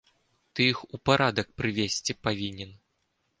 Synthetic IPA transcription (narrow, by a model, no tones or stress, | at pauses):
t̪ɨjixupaɾad̪ɐk̚pɾɨvʲesʲt͡sʲipavʲinʲɛn